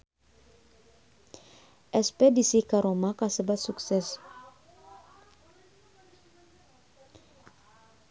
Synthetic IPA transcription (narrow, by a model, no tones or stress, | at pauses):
ʔɛspɛdisikaɾomakasəbat̪suksɛs